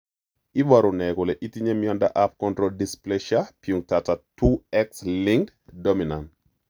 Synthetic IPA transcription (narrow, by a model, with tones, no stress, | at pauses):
i˦wa˨ɾʊ˨nɛ˨ko˨lɛ˨ʔi˦ti˦ɲe˦mjɔ˦nda˦ʔa˦p̚kɔ˦ndɾoldisplɛʃa˦piu˨ŋtatatu˦ɛkslɪ˦ŋd | do˦mi˨nant